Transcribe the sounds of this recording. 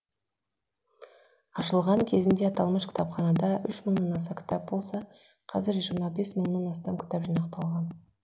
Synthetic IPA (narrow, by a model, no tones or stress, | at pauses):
ɑʃəlˠʁɑŋkʲʰe̞zɪnd̪e̞ɑt̪ɑlˠməʃkʲʰɪ̥t̪ʰɑpχɑnɑd̪ɑʔʏʃməɴnɑnɑsɑkʲʰt̪ʰɑp̚bo̞lˠsɑ | qʰɑzɪɾʒiɾmɑbe̞sməɴnɑnɑst̪ɑmkʲʰt̪ɑpʒijnɑqt̪ɑlˠʁɑn